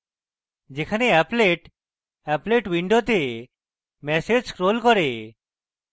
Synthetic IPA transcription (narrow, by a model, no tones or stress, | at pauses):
d͡ʒekʰaneɛpleʈ | ɛpleʈwiɳɖot̪e | mɛsed͡ʒkɾolkɔɾe